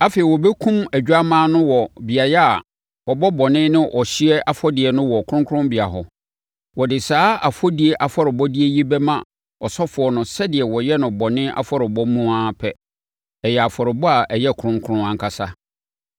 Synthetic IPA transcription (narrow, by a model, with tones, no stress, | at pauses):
a˦fe˨i˨wɔ˨bɛ˦kʰũ˦mæ˨d͡ʑᶣu˦a˦mãː˦nʊ̃˦wɔ˨bɪ˨a˨jɛ˦a˨ | wɔ˨bɔ˦bɔ˨nɪ̃˦nɪ̃˦ʔɔ˨ɕi˦ɛ˦ʔa˨fɔ˦dɪ˨ɛ˨nʊ̃˦wɔ˨kʰʊ˦ɾʊ̃˦ŋkʰʊ̃˦mbɪ˨a˨ɦɔ˨ | wɔ˨dɪ˨saː˦a˨fɔ˦di˨˦e˦ʔa˨fɔ˦ɾɪ˨bɔ˦di˦e˦ji˦bɛ˦mã˦ | ɔ˨sɔ˦fʊ˨ɔ˨nʊ̃˨sɛ˦dɪ˨ɛ˨wɔ˨jɛ˦nʊ̃˨bɔ˨nɪ̃˦ʔa̰˨fɔ˦ɾɪ˨bɔ˦mũ˦ã˦pʰɛ˦ | ɛ˨jɛ˨a˨fɔ˨ɾɪ˨bɔ˦a˨ʔɛ˨jɛ˦˨kʰʊ˨ɾʊ̃˦ŋkʰʊ˦ɾʊ̃˦ã˨ŋ˨kʰa˨sa˦